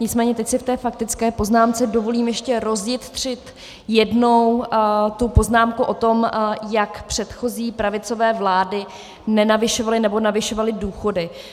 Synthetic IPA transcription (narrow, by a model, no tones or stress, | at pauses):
ɲɪt͡smɛːɲɛt̪ɛcsɪft̪ɛːfak̚t̪ɪt͡skɛːpo̞znaːmt͡sɛdovo̞liːmjɛʃcɛɾo̞zjɪt̪t̪r̝̥ɪt̪ | jɛdno̞wt̪upo̞znaːmkuʔo̞t̪o̞mjakpr̝̥ɛt̪xo̞ziːpɾavɪt͡so̞vɛːvlaːdɪ | nɛnavɪʃovalɪnɛbo̞navɪʃo̞valɪduːxo̞dɪ